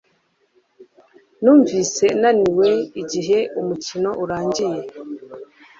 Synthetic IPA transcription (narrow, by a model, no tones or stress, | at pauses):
nuːɱviːse̞naniwe̞iɟiɦe̞ʔumucino̞ʔuɾaːɲɟije̞